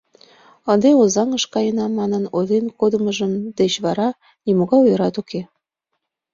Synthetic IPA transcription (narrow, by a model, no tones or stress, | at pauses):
ə̆nd̪eozɑŋəʃkɑjənɑmɑnənod̪enkod̪əməʒəmd̪et͡ɕβɑɾɑ | nimoɣɑjujəɾɑt̪uke